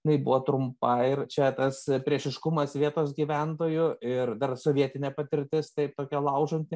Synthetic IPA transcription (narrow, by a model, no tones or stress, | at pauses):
nɐɪbʊʋoːt̪ɾʊmpɐɪɾt͡ʃʲɛt̪ɐspʲɾʲiɛʃʲɪʃkʊmɐsʋʲiɛt̪oːsɡʲiːʋʲɛnt̪oːjʊɪrd̪ɐrsoʋʲiɛt̪ʲɪnʲeːpɐt̪ʲɪɾʲt̪ʲɪst̪ɐɪp̚t̪oːkʲɛlˠɐʊʒonʲt̪ʲɪ